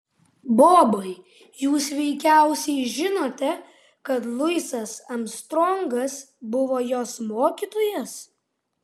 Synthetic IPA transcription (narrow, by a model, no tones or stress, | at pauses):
boːbɐɪ | juːsʋʲɛɪkʲæˑʊsʲɛɪʒʲɪnoːt̪ʲɛ | kɐt̪lˠʊɪsɐsɐmst̪ɾɔŋɡɐsbʊʋoːjoːsmoːkʲiːt̪oːjɛs